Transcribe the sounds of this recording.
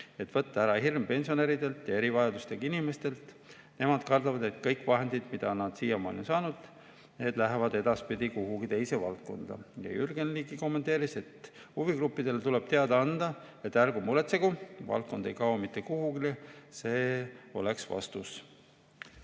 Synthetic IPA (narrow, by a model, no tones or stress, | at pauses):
e̞t̪ːvɤt̪ːɑæɾɑhirmpe̞nʲsio̞neɾid̪e̞lt̪ːˑe̞ɾivɑjɑd̪̥ust̪ekɑinime̞st̪e̞lt̪ | ne̞mɑd̪̥kɑrd̪ɑvɑd̪e̞t̪kɤjkvɑɦe̞nd̪id̪̥mid̪̥ɑnɑd̪̥siːjɑmɑo̰linsɑːnud̪̥ | ne̞ːd̪̥læɦevɑd̪e̞d̪̥ɑspid̪̥ʲikuɦuɡit̪e̞jse̞vɑ̰lt̪̚ko̞̰nd̪̥ɑ̰jɑ̰jyrɡenliːɡiko̞mːe̞nt̪ːˑeːɾise̞t̪ | huviɡrupːˑid̪̥e̞lt̪uleb̥t̪e̞ɑd̪̥ɑɑnd̪̥ɑ | e̞t̪ːærɡumule̞t̪seɡuvɑ̰lt̪̚ko̞nd̪e̞jkɑwomit̪ːˑe̞kuhuɡilise̞ːo̞̰le̞ksvɑ̰st̪us